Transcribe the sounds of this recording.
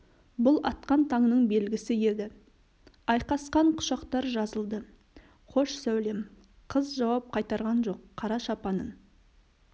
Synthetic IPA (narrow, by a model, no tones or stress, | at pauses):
bʊlˠɑt̪qɑnt̪ʰɑɴnəɴbe̞lɡʲɪsɪje̞d̪ɪ | ɑjqɑsqɑɴqʰʊ̥ʃɑqt̪ɑɾʒɑzəlˠd̪ə | qʰo̞ʃsæwle̞m | qʰəzʒɑwɑp̚qʰɑjt̪ɑɾʁɑnʒo̞qʰːɑɾɑʃɑpɑnən